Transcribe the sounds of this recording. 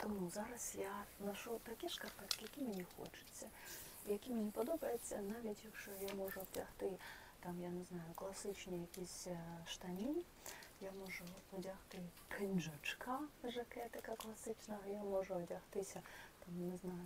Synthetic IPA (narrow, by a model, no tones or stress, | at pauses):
t̪ɔmuzɑɾɐsjanɐʃut̪ɐkʲɛʂkɐpɛt̪kʲɪjɐkʲimʲinʲixɔ̰t͡ʃʊ̥t͡sʲːɐ | ijɐkʲimʲinʲipɔd̪ɔbɐjɪt͡sʲːɐnaʋʲitʲjɐkʃɔjamɔʐʊdʲɐxt̪ɪ | t̪amjanɪznɑjʊklˠɐsɪt͡ʃnʲijɐkʲisʲʃt̪ɐmʲinʲ | jamɔʐʊɔdʲɐxt̪ɪpʰɪnʲʒʊt͡ʃkaʐɐkɛt̪ɪkɐklˠɐsɪt͡ʃnɐɐjamɔʐʊɔdʲɐxt̪ɪsʲɐt̪amnɪznajʊ